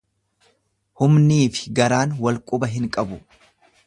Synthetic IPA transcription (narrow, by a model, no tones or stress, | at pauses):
hʊmniːfɪ̥ɡɐɾaːnwɐlkʼʊbɐɦɪŋkʼɐbʊ